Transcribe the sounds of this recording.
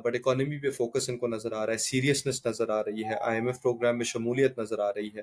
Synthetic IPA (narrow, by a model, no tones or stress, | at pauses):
bɐɽɪkɔːnəmipefoːkəsɪnkonɐzəɾaːɾaːɦɛsiːɾijəsnɪsnɐzəɾaːɾɐɦiɦɛʔa̰ːemɛfpɾoːɡɾɛːmːẽʃɐmuːlijət̪nɐzəɾaːɾɐɦiɦɛː